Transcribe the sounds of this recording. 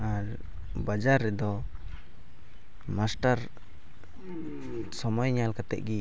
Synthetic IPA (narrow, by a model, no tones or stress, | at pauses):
aɾ | bad͡ʒaɾːɛd̪ɔ | masʈaɾ | sɔmɔjɲalkat̪ɛ̰ʔ̚ɡi